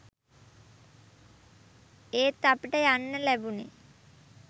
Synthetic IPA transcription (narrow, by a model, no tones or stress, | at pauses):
eːt̪ːapiʈəjanːəlæbunḛ